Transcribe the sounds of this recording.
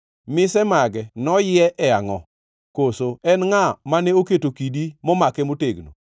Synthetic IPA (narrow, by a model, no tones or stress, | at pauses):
mɪsɛmaɡɛnɔjɪɛʔɛaŋɔ̰ | kosoɛnŋamanɛoketokidimɔmakɛmoteɡno̰